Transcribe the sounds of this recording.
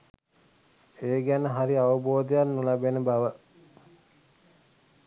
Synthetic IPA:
eːɡænəɦaɾiaʋəboːd̪əjanːulabenəbaʋə

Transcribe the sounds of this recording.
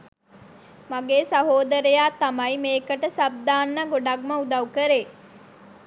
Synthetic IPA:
maɡeːsɐɦoːd̪əɾejaːt̪ɐmɐjmeːkəʈəsɐb̚d̪aːnːɐɡoɖɐk̚mɐud̪ɐukəɾeː

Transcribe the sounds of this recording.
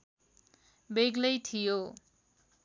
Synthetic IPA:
beɡlʌjt̪ʰijo

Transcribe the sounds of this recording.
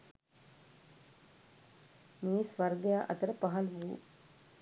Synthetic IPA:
miːsʋɐɾɡjaːʔɐ̰t̪əɾəpɐɦɐlʋuṵ

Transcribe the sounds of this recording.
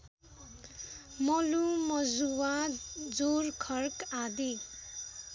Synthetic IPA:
mʌlumʌd͡zuwad͡zorkʰʌrkad̪i

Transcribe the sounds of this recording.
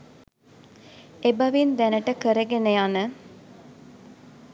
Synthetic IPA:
ebɐʋind̪ænəʈəkəɾəɡenejanə

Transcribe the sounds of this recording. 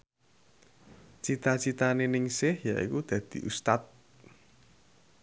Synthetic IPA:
t͡ʃit̪at͡ʃit̪anenɪŋsɪhjaʔḭkud̪̥ä̤d̪̥i̤ʔust̪at̪̚

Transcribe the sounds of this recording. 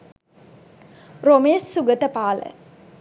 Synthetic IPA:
romeːssuɡət̪əpaːlə̰

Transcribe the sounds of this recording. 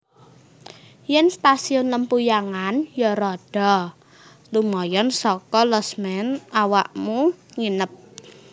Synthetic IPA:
jɛnst̪asiʊnləmpujaŋanjɔɾɔɖ̥ɔ | lumɔjɔnsɔkɔlɔsmɛnawa̰ʔmuŋinəp̚

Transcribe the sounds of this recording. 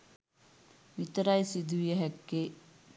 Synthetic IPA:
ʋit̪əɾajsid̪ʱuʋijəɦɛkːe

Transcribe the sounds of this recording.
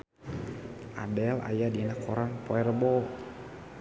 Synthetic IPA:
ʔa̰dɛla̰jadinakʰoɾaŋpoɛrbɔ

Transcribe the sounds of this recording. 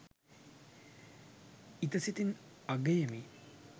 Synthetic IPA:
it̪ɐsit̪inɐɡɐjɐmi

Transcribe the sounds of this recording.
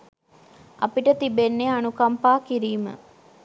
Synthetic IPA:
ɐ̰piʈət̪ibenːeanukampaːkiɾiːmə̰

